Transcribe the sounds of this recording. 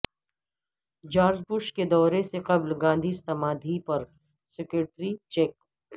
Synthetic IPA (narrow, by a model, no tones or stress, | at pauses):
d͡ʒaːɾd͡ʒbʊʃked̪ɔːɾeseqɐblɡãːnd̪ʱist̪ɐmaːd̪ʱipɐɾ | sɪkeʈɾit͡ʃeːk